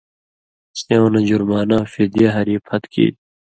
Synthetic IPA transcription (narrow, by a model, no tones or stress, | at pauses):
seõnɐd͡ʑuɾmaːnaːfid̪ijɐɦɐɾiːpʰhɐt̪kḭːt̪̚